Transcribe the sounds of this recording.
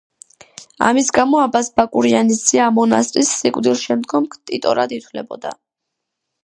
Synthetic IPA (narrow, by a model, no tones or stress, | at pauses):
a̰misɡamɔabasbakʼuɾianisd̪iamɔnast̪ʼɾisːikʼvd̪ilˠʃɛmd̪ɡɔmkʰt̪ʼit̪ʼɔɾad̪it̪ʰwlɛbɔd̪a̰